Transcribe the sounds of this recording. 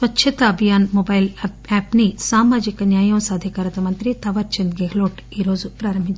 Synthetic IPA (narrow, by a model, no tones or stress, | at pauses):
sʋɐtːʃʰɐt̪aɐbʱijaːnmoːbɐjl | ɛːpnisaːmaːd͡ʒikɐnjaːjɐwsaːd̪ʱikaːɾɐt̪ɐmɐnt̪ɾit̪ɐʋɐɾt͡ʃɐnd̪ɡeɡloːʈiːɾoːd͡ʒupɾaːɾɐmbʱiɲt͡ʃ